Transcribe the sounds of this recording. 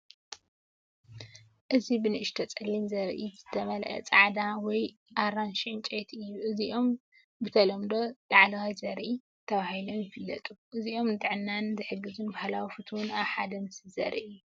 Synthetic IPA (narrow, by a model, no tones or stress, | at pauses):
ʔɨzibɨnɨʔɨʃt̪ʰɐt͡sʼɐlinzɐɾʔizɨt̪ʰɐmɐlʔɐ̰t͡sʼaʕd̪awɔj | ʔaɾanʃnt͡ʃʼet̪ʔɨjːuʔɨziʔo̞m | bɨt̪ʰɐlɐmd̪o̞laʕlɐwajzɐɾʔi | t̪ʰɐβahilo̞mjɪfɨlːɐt̪ʼuʔɨziʔo̞mnɨt̪ʼɨʕɨnːanzɨħɨɡːɨzunbahlawifɨt̪ʰwunaβħad̪ɐmɨsɨzɐ̰ɾɨʔɨjːu